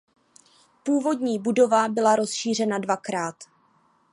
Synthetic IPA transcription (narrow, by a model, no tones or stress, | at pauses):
puːvo̞dɲiːbudo̞vabɪlaɾo̞sʃiːr̝ɛnadvakɾaːt̪